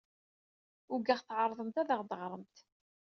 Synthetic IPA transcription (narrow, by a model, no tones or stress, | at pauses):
ʊɡæʁθʕɑɾˤðˤəmt̪æðæʁd̪əʁɾˤəmt̪